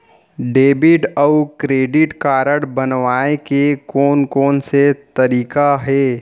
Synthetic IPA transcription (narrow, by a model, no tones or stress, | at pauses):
ɖeːbɪʈəʊkɾeːɖɪʈkaːɾəɽbənʋaːekekɔːnkɔːnset̪əɾiːkaɦɛː